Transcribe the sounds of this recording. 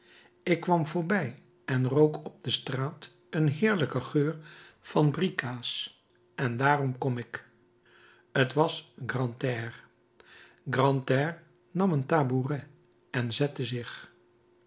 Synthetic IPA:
ɪkːʋɑmvʊːɹbɛj | ɛnrowkʰɔb̚dəstraːt | ənɦɪːɹləkəχøːɹfɑnbrikaːs | ɛndaːrɔmkɔmɪk | ətʋɑsɡrɑntɛːr | ɡrɑntɛːɹ | nɑməntaːburɛ | ɛnzɛtəzɪχ

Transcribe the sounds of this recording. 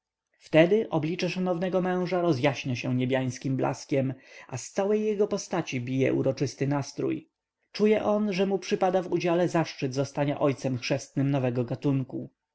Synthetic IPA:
ft̪ɛd̪ɘʔɔblʲit͡ʂɛʂanɔvnɛɡɔmɛ̃w̃ʐaɾɔzjaɕɲaɕɛ̃ɲebʲjaj̃skʲimbla̰skʲɛmʔast̪sawɛjːɛɡɔpɔst̪at͡ɕibʲijɛ̰ʔṵɾɔt͡ʂɘst̪ɘnast̪ɾṵj | t͡ʂujɛʔɔnʐɛmupʂɘpad̪avud͡ʑalɛzaʂt͡ʂɘd̪zɔst̪aɲa̰ʔɔjt̪sɛmxʂɛst̪nɘmnɔvɛɡɔɡat̪uŋku

